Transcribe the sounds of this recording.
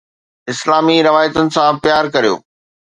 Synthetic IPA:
ɪslaːmiɾɐʋaːjət̪ʊnɪ̆sãpjaːɾkɐɾijo̰ː

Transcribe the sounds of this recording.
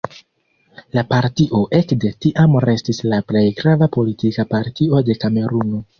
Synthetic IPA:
lapaɾtiʔo̞ʔe̞kde̞tiʔamɾe̞stislaple̞jɡɾavapo̞litikapaɾtio̞de̞kame̞ɾuno̞

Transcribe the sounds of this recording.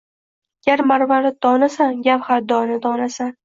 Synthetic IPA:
ɡʲaɾmaɾvalad̪ɒnasanɡʲapχaɾd̪ɒnɪd̪ɒnasan

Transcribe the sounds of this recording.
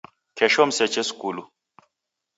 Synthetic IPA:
kʰɛʃɔm̩sɛt͡ʃɛskʼulu

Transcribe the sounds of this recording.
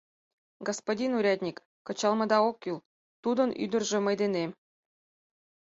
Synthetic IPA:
ɡospodʲinuɾʲɑd̪ʲnʲikːɤ̆t͡ɕɑlˠmɤ̆d̪ɑokːylˠ | t̪ud̪ɤ̆nʔy̰d̪ə̆rʒə̆mɤjd̪ene

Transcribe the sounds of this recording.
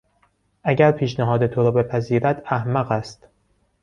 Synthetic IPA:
ʔæɟæɾpʰiːʃnæɦɒːd̪e̞t̪ʰo̞ɾɒːbe̞pʰæziːɾæd̪æhmæɣæst̪

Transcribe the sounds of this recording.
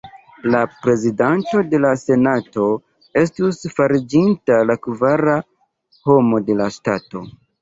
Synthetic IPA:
lapɾe̞zidanto̞de̞lase̞nato̞ | e̞stusfaɾid͡ʒintalakvaɾa | ho̞mo̞de̞lasta̰to̞̰

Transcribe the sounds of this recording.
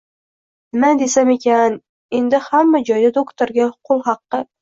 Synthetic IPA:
nɪmad̪e̞same̞kʲan | e̞nd̪ɪhamːad͡ʒɒjd̪ad̪okt̪ʰoɾɡʲaqʰʊlˠɦɑqːɨ

